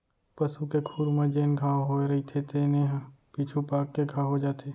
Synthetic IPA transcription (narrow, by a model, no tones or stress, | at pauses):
pɐsukekʰuːɾmẽd͡ʒeːnɡʱaːɦoeɾɐit̪ʰet̪eːneɦ | piːt͡ʃʰupaːkːeɡʱaːɦod͡ʒaːt̪ʰeː